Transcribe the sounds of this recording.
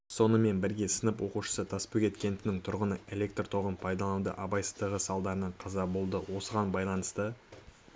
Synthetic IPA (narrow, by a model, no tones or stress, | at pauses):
so̞nəme̞nbɪɾɡʲe̞sənəpwo̞quʃə̥sət̪ʰɑspukʲe̞t̪kʲe̞nd̪ɪnɪŋt̪ʰʊɾʁənəe̞lek̚t̪rt̪ʰo̞ʁənpʰɑjd̪ɑlˠɑnd̪ə̰ʔɑbɑjsə̥zd̪əʁəsɑlˠd̪ɑɾənɑɴqʰɑzɑbo̞lˠd̪əwo̞səʁɑnbɑjlˠɑnəst̪ə